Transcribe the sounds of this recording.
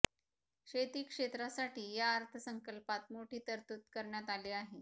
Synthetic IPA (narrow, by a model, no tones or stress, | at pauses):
ɕet̪iːkʂet̪ɾasaʈʰiːjaːɾt̪ʰəsəŋkəlpat̪moʈʰiːt̪əɾt̪ut̪kəɾɳjat̪aliːaɦe